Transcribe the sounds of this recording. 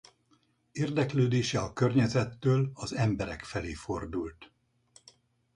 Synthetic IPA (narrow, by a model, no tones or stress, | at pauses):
eːrd̪ɛkløːd̪eːʃɛɒkørɲɛzɛt̪ːøːlɒzɛmbɛɾɛ̰kfɛleːfo̞rd̪ult̪